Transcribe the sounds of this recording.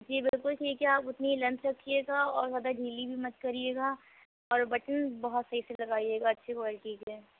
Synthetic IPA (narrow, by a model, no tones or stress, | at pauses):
d͡ʒiːbɪlkʊlʈʰiːkɦɛaːpʊt̪niilɛ̃mpt͡ʃɐkʰːieːɡaɔːɾzjaːd̪aɖʱiːlibʱimɐt̪kɐɾieːɡa | ɔːɾbɐʈənbɐɦɔt̪sɐɦiselɐɡaːieːɡaɐtːʃʰekɔlʈʰiːkɦɛː